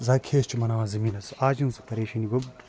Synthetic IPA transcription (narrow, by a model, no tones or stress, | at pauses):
zaːkʰeːst͡ʃʰimɐnaːʋãːzɐmiːnɐsaːd͡ʒinsɐ̥pɐɾeːʃɐniɡob